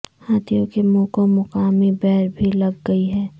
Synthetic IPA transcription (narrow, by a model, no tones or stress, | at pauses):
haːt̪ʰijõkemoːkõmʊqaːmibɛɦɾbʱilɐɡːəiɦɛː